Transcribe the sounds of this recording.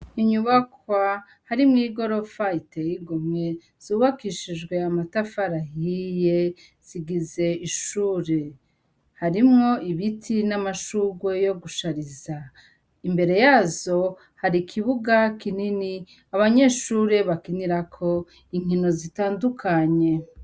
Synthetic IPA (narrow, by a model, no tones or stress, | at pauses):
iɲuβakwa | haɾimŋiːɡo̞ɾo̞faitejiɡumŋe̞ | z̥uːβakiʃid͡ʒɡwe̞amatafaɾaɦije̞ | z̥iɡize̞iʃuːɾe̞ | haɾimŋo̞iβitʰinamaʃuɡwe̞jo̞ɡuʃaɾiza | imbe̞ɾe̞jaːzo̞ | haɾikʰiβuɡakinini | aβaɲe̞ːʃuːɾe̞βakiniɾakʰo̞ | iŋ̥ino̞zitaːndukʰaɲe̞